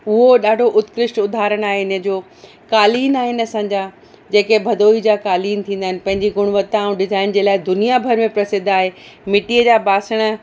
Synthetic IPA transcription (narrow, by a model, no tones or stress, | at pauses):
ʊɦoɗaːɖʱoʔʊt̪kɾɪʃʈʊd̪ʱaːɾəɽ̃aːɦeɪnə̆d͡ʑoː | kaːliːnaːɦɪnɐsãːɲd͡ʑa | d͡ʑeːkebʱɐd̪oːid͡ʑaːkaːliːnt̪ʰĩːnd̪aɦɪnɪ̆pɐ̃ɦɪ̃ɲd͡ʑiɡʊɽ̃ʋət̪ːaũɗɪzaːɪnd͡ʑeːlaːɪd̪ʊnijabʱɐɾmẽpɾɐsɪd̪ʱaːɦemɪʈiəd͡ʑaːbaːsəɽ̃ə̆